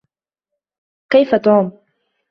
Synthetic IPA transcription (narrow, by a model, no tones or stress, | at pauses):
kajfat̪uːm